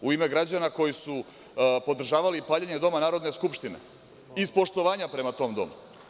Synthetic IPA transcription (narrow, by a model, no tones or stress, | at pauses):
uime̞ɡɾad͡ʑanako̞jisu | po̞d̪ɾr̩ʒaːʋalipaːʎeɲe̞d̪o̞manaːɾo̞d̪neskupʃt̪inḛ | ispo̞ʃt̪o̞ʋaːɲapɾe̞mat̪o̞ːmd̪o̞̰mu